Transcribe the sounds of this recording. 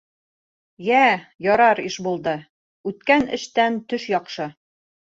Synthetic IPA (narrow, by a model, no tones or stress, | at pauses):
jæjɒɾɑɾiʃbulˠd̪ɤ | ʉt̪̚kænɘ̰̆ʃt̪ænt̪ɵʃjɒqʃɤ